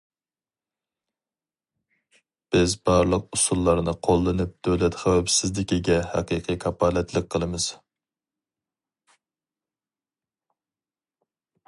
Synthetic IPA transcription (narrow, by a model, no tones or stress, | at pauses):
b̥ɪzbɑɾlˠəq̚usulˠːɑɾnɨqʰolˠːɨnɨp̚d̪̥ølɛt̪χæwɛbʰɪ̥sɪzlɪkʲiɡʲɛhæqiqʰijkʰɑpɑlɛt̪lˠɨk̚qʰːəlˠɨmɨz̥